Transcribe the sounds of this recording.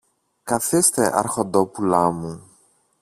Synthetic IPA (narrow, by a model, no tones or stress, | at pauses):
kɐθist̪e̞ʔɐ̰ɾxond̪opulɐmu